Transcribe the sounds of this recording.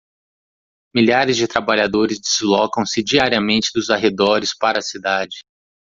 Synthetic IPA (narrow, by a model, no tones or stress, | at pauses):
miʎaɾɪzd͡ʒɪt̪ɾabaʎad̪oɾɪzd͡ʒizlɔkɐ̃w̃sɪd͡ʒiaɾiɐmẽnt͡ʃɪd̪ʊzaɦed̪ɔɾɪspaɾɐːsid̪ad͡ʒɪ